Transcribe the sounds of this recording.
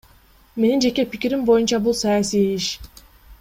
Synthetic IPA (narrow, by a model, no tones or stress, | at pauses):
me̞nind͡ʒekɛficʲiɾimbo̞junt͡ʃʰabulˠsajasijejiʃ